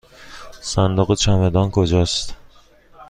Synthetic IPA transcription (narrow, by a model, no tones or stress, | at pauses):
sænd̪oɣet͡ʃʰæmed̪ɒːnkʰod͡ʒɒːst̪